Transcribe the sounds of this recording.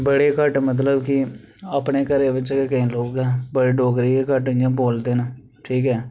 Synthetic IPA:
bəɽeːkəʈmət̪̬ləbkɪ | əːpneːkəɾeːʋɪt͡ʃkekəĩːloːkɛːbəɽeːɖoːkɾiːeːkəʈɪjãːboːld̪eːna | ʈʰiːkɛː

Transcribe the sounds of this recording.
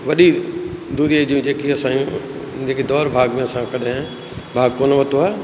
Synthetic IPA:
ʋɐɗid̪uːd̪ed͡ʑiũd͡ʑeːkiɐsãjũ | d͡ʑeːked̪ɔːɾbʱaːɡmẽɐsãkɐɗẽ | bʱaːɡ̚poːnəʋɐt̪oɦaː

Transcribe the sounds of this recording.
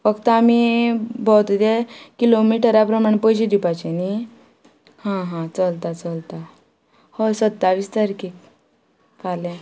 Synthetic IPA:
fəkt̪amibʱɔt̪d̪ekilomiʈəɾapɾəmaɳpəjɕid̪ipat͡ɕeni | hãɦãt͡səlt̪at͡səlt̪a | hosət̪ːaʋist̪əɾkik | kʰalẽ

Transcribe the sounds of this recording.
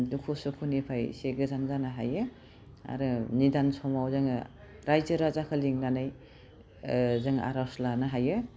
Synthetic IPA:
dukʰusukʰunepʰajseɡɯzanzanaɦa̰jɯ | a̰ɾɯnidansɔmawzɯŋ | ɾajzɯɾazakʰɯliŋnanaj | zɯŋa̰ɾawslanaɦajɯ

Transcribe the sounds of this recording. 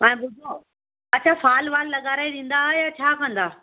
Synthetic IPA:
mãːẽbʊd̪ʱõ | ɐt͡ɕʰaːfaːlʋaːllɐɠaːɾaːiɗĩːn̆d̪ajaːt͡ɕʰaːkɐ̃nd̪aː

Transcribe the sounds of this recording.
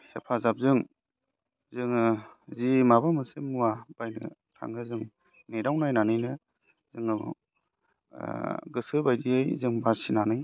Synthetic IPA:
hepʰazap̚zɯŋ | zɯŋzimabamɯsemuwab̥ajnɯ̰ | tʰa̰ŋɡɯzɯŋ | nejɾawnajnanɯjnɯ | zɯŋaɡɔ̰ | ɡɯsɯbajdiejzɯŋbasinanɯj

